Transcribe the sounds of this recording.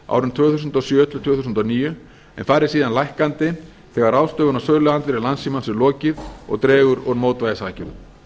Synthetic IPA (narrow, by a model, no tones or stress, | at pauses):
a̰ːwɾʏmt̪ʰvœːɣθus̬ʏnt̪ɔsjœːt̪ʰlʏt̪ʰvœːθus̬nt̪aniːjʏ | ɛ̰nfaɾɪsiːðanlajhkant̪ɪ | θɛɣaɾawst̪œːvʏnasœːɣlʏɣant̪vɛɾɪlansimansɪɾlɔːcɪðɔ̰ɣt̪ɾɛːɣʏɾɔɾmoːwt̪vajðɪsaːcɪn